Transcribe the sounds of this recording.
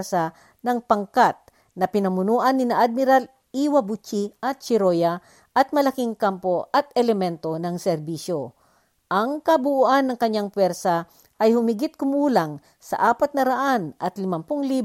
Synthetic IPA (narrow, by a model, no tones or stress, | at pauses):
sa | nɐŋpɐŋkat̪̚ | nɐpɪnɐmʊnuːʔɐnːɪnɐʔad̪̚mɪɾal | iːwɐbut͡ʃiʔɐt̪̚t͡ʃɪɾoja | ʔɐt̪̚mɐlɐkiŋkampoʔɐt̪̚ɛlɛmɛnt̪o̞nɐŋsɛɾbiʃjo | ʔɐŋkɐbʊʔuʔanːɐŋkɐɲːaŋpwɛɾsa | ʔɐjhʊmɪɡɪt̪̚kʊmuːlaŋ | sɐ̰ʔaːpɐt̪̚nɐɾɐʔanʔɐt̪lɪmɐmpʊŋliː